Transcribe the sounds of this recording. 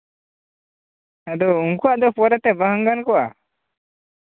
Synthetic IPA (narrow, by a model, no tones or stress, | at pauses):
ad̪ɔuŋkuaʔd̪ɔpɔɾɛt̪ɛbəɦəŋɡankɔʔa̰